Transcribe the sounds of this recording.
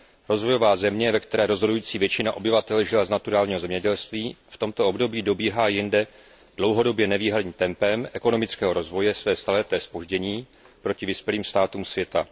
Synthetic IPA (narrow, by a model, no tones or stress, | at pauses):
ɾo̞zvo̞jo̞vaːzɛmɲɛvɛkt̪ɛɾɛːɾo̞zɦo̞dujiːt͡siːvjɛt͡ʃɪnaʔo̞bɪvat̪ɛlʒɪlaznat̪uɾaːlɲiːɦo̞zɛmɲɛɟɛlst̪viːft̪o̞mt̪oo̞bdo̞biːdo̞biːɦaːjɪndɛ | d̥lo̞wɦo̞do̞bjɛnɛviːɦadɲiːmt̪ɛmpɛmʔɛko̞no̞mɪt͡skɛːɦo̞ɾo̞zvo̞jɛsvɛːst̪alɛt̪ɛːspo̞ʒɟɛɲiː | pɾo̞cɪvɪspjɛliːmst̪aːt̪uːmsvjɛt̪a